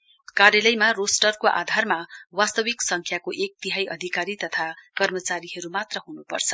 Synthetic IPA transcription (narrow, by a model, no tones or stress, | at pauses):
kaɾjalʌjmarosʈʌrkoʔa̰d̪ʱarmawast̪ʌwiksʌŋkʰjakoʔek̚t̪iɦajʔʌ̰d̪ʱikaɾit̪ʌt̪ʰakʌrmʌt͡saɾiɦʌɾumat̪rʌɦunupʌ̰rt͡sʰʌ̥